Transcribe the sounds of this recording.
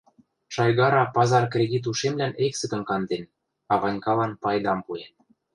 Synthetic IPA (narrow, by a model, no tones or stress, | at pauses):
ʃɑjɡɑɾɑpɑzɑrkrʲed̪ʲit̪̬uʃemlæneksə̆kə̆nkɑnd̪en | ɑβɑnʲkɑlɑnpɑjd̪ɑmpuen